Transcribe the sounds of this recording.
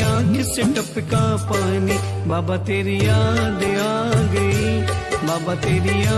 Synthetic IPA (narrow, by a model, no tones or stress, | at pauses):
ãːkɪseʈəpɪkãːpãːniː | baːbaːt̪eːɾiːãːd̪eãːɡəibaːbaːt̪eːɾiãː